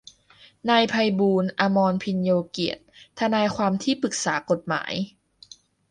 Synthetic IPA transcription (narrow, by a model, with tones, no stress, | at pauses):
na˧jpʰa˧jbuː˧nʔa˧mɔː˧npʰi˧njoː˧ki˨˩ət̪̚ʰːa˧naː˧jkʰwaː˧mt̪ʰiː˥˩pɯ˨˩k̚saː˩˦ko˨˩t̪̚ma̰ː˩˦j